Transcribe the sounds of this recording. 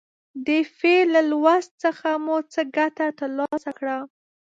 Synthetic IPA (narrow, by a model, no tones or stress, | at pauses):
d̪efelalwast̪̚t͡səxamut͡səɡaʈat̪əɾlɑɑsakɽa